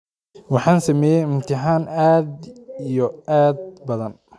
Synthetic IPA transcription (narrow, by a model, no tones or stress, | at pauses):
wɑħɑːnsɐmɛːjɛɪmt̪ʰɪħɑːnaːd̪ijɔʔaːd̪̚bɐðɐn